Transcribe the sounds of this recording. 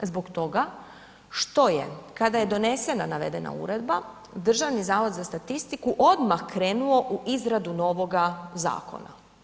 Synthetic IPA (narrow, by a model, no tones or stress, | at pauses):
zbokt̪o̞ɡa | ʃt̪o̞jḛkad̪aje̞d̪o̞ne̞se̞nanaʋe̞̰d̪e̞na̰ṵɾe̞d̪ba | d̪r̩ʒaʋnizaːʋo̞d̪zast̪at̪ist̪ikuʔo̞d̪maxkɾe̞ːnuo̞ʔuʔizɾad̪uno̞ʋo̞ɡaza̰ːko̞̰na̰